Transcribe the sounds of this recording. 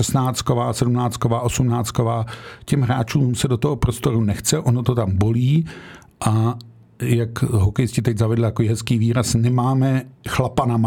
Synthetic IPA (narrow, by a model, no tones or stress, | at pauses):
ɛsnaːt͡st̪̚kovaːsɛdumnaːt͡st̪kovaːʔo̞sumnaːt͡st̪ko̞vaːcɛmɦɾaːt͡ʃuːmsɛdot̪oɦopɾost̪o̞ɾunɛxt͡sɛʔonot̪ot̪ambo̞liː | ʔa | jakɦokɛjscɪt̪ɛɟzavɛdl̩t̪akoiːɦɛskiːviːɾasnɛmaːmɛxlapanama